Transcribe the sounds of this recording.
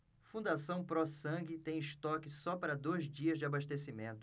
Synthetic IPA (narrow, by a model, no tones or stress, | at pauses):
fũnd̪asɐ̃w̃pɾɔsɐ̃ɡɪt̪ẽj̃ɪʃt̪ɔkɪsɔpaɾɐd̪ojzd͡ʒiɐzd͡ʒɪabaʃt̪esimẽnt̪ʊ